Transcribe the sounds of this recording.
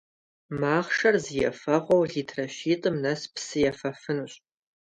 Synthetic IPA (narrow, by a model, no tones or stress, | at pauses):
maːχʂɐrzijɐ̰fɐʁʷɔwɮiːtʰrɐɕiːtʼɨmnɐspʰsɨjɐfɐfɨnuɕʼ